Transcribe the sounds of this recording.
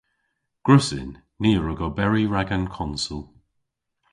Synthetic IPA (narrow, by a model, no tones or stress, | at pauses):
ɡ̥ɹʊsɪ̰nː | iːəɹəɡɔbɛɹiɹaɡankʰɔnsulˠ